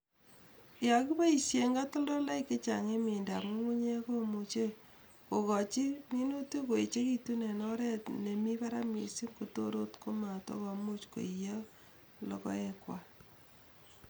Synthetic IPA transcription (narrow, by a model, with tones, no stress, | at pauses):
ja˨ku˦ba˦i˨sje˨ŋɡa˦to˦ldɔ˦la˦ikːɪ˦t͡ʃa̰˨ŋe˦me˨nda˨mu˦ŋu˦ɲe˦ko˦mut͡ʃe˦ | ko˨kɔ˨t͡ʃi˦mi˦no˦tu˦ko˨i˨t͡ʃe˦ki˦tu˦ne˨nɔ˦ɾɛ˦tne˨mi˦pa˦ɾa˦mḭ˨si˦mko˨to˦ɾo̰˦tko˦ma˨to̰˦kɔ˨mu˦t͡ʃko̰˨ija˦ | lɔ̰˨kɔ̰˦ekwa˨